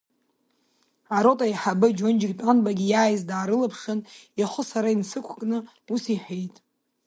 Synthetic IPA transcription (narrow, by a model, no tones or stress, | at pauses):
aɾo̞tʼajħabɨd͡ʒond͡ʒɪɡʲtʷʼanbaɡʲijaːjzdaːɾɨlapʰʂɨniχʊsaɾainsɨkʷʰkʼnɨ | usiħejtʼ